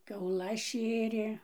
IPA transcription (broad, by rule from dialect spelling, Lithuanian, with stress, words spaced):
kʲɛʊˈlˠɐs ˈʃʲeːrʲeː